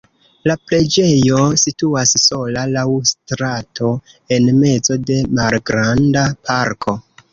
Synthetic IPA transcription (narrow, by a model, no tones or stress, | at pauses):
lapɾe̞d͡ʒe̞jo̞situasːo̞lalawstɾatʰo̞ | e̞nme̞zo̞de̞malɡɾandapʰaɾkʰo